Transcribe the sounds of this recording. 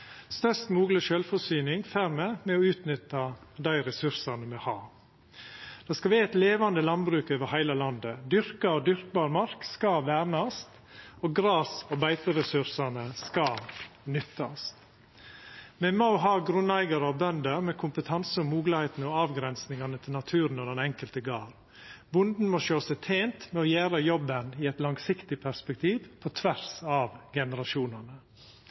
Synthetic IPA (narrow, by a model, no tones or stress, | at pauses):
st̪œst̪muːɡləʃœlfɔsyːnɪŋfæɾmɛmɛɔʉːt̪nʏt̪ːɑd̪æɪɾɛsʉɾsɑnəmɛhɑː | d̪̥ɑːskɑʋæːɛt̪leːʋɑnd̪əlɑnbɾʉːkøːʋəɾhæɪləlɑnd̪əd̪ʏɾkɑɔd̪ʏɾk̚bɑːɾmɑɾkskɑʋæːɾnɑst̪ | oːɡɾɑːsɔbæɪt̪əɾɛsʉɾsɑnəskɑnʏt̪ːɑst̪ | mɛmɑʊɦɑːɡɾʉnæɪɡɑɾɑʋbœnd̪əɾmɛkʰʊmpət̪ʰɑnsəɔmuːɡləheɪt̪n̩əɔɑːʋɡɾɛnsnɪŋɑnət̪ʰɪlɑt̪ʰʉːɾnɔd̪ɛnɛŋkəlt̪əɡɑːɾ | bʊnd̪n̩mɔʃøːsæɪt̪ʰeːnt̪mɛɔjæːɾəjɔbːəniɛt̪lɑŋsɪkt̪ɪpʰæɾspɛkt̪ʰiːʋpʰɔt̪ʰʋæɾsɑʋɡɛnəɾɑʃuːnɑnə